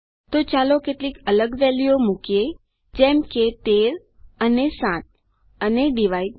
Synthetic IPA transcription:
t̪ot͡ʃalokeʈlikələɡʋɛlijomukie | d͡ʒɛmket̪eɾ | ənesãt̪̚ | əneɖiʋai

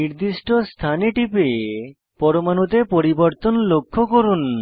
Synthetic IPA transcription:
iɾd̪iʃʈost̪ʰaniʈipe | pɔɾomanut̪epoɾiboɾt̪onlokʰːokoɾun

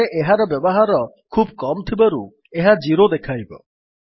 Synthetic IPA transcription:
eʔeɦaɾɔbjɔbɔɦaɾɔ | kʰubkɔmɔt̪ʰibaɾu | eɦad͡ʒiɾod̪ekʰajbɔ̰

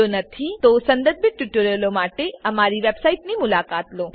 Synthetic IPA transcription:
onɐt̪ʰit̪osɐnd̪əd̪̚bɪʈːuʈoɾelomaːʈeɐmaːɾiʋeːbsaːiʈnimʊlaːkaːt̪loː

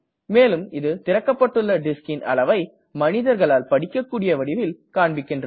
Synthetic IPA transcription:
meːlɯmɪðɯt̪ɪɾɐkːɐpːɐʈːɯɭːɐɖɪskɪnʔɐ̰lɐʋɐɪ | mɐnɪðɐɾɣɐɭaːlpɐɽɪkːɐkːuːɽɪjɐʋɐɽɪʋɪlkaːɳbɪkːɪndrɐ

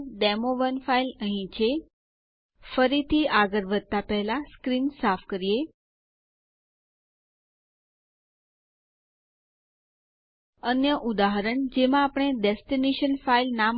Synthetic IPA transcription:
ɖɛmoʋənfailəɦĩt͡ʃʰe | fəɾit̪ʰiaɡəɾʋəd̪̚t̪apɛɦɛlaskɾinsafʰkəɾije | ənjəʔud̪aɦəɾəɳd͡ʒemãːpɳ̃eɖesʈineʃənfailnam

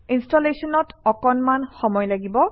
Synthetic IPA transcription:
instɔlesɔnɔtɔkɔnmanxɔmɔjlaɡibɔ

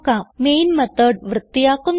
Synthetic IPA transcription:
kameːjnmɐt̪əɖ̚ʋrɨt̪ːijaːkum

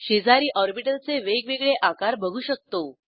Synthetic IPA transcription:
ɕed͡zaɾiːʔɔɾbiʈəlt͡seʋeɡʋeɡɭeʔakaɾbəɡʱuːɕək̚t̪o

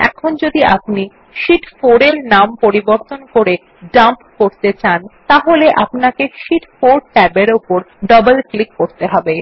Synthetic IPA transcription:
ɛ̰kʰond͡ʑod̪iapni | ʃiʈfoɾeɾnampoɾiboɾt̪onkoɾe | ɖampkoɾt̪et͡ɕant̪aɦoleʔapnakeʃiʈfoɾʈɛbeɾopoɾ | ɖɔbelklikːoɾt̪eɦɔbe

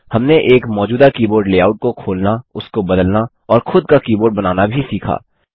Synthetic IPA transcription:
hɐmneʔeːkmɔːd͡ʒuːd̪akiːboːɾɖleːaːʊʈ̚kokʰoːlnaʊskobɐd̪əlna | ɔːɾxʊd̪̚kakiːboːɾɖ̚bɐnaːnabʱisiːkʰa̰ː

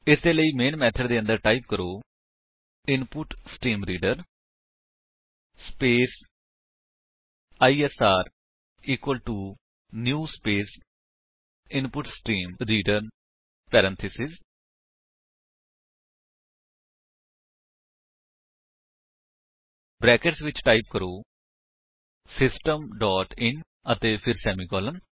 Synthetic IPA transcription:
ɪseːləiːmeːnmɛːt̪ʰəɖd̪eːə̃nd̪əɾʈaːip̚kəɾoː | ɪnpʊʈsʈiːmɾiːɖəɾ | speːs | aːiːɛsaːɾ | iːkwəlʈuː | njuːspeːs | ɪnpʊʈsʈiːmɾiːɖəɾ | pɛːɾɛ̃nt̪ʰɪsɪz | bɾɛːkəʈsʋɪt͡ʃʈaːɪp̚kəɾoː | sɪsʈəmɖɔːʈɪ̃n | ət̪eːpʰɪɾsɛːmiːkɔːləm

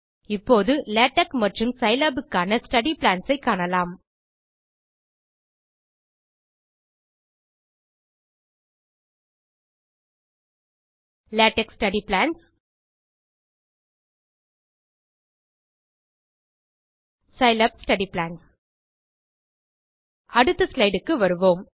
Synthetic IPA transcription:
ɪpːoːðɯleːʈɐkmɐʈrɯmsɐɪlɐbɯkːaːnɐsʈɐɽiplaːnsɐɪkːaːɳɐlaːm | laːʈɛksʈɐɽiplaːns | sɐɪlɐbsʈɐɽiplaːns | ʔɐɽɯt̪ːɯslɐɪɖɯkːɯʋɐɾɯʋoːm

